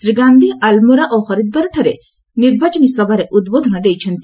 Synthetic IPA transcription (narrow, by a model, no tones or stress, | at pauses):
sɾiɡand̪ʱialmuɾaʔoxɔɾid̪̚bɔɾʈʰɔɾe | niɾbat͡ʃɔnisɔbʱaɾeʔud̪bod̪ʱɔnɔd̪ejt͡ʃʰɔnt̪i